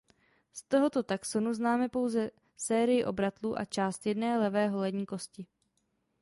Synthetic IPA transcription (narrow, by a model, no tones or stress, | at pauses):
st̪o̞ɦo̞t̪o̞t̪akso̞nuznaːmɛpo̞wzɛ | sɛːɾɪjɪʔo̞bɾat̪luːʔa̰t͡ʃaːst̪jɛdnɛːlɛvɛːɦo̞lɛdɲiːko̞scɪ